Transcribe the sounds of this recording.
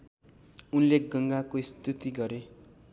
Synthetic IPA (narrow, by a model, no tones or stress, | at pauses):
unleɡʌŋɡakoist̪ut̪iɡʌɾe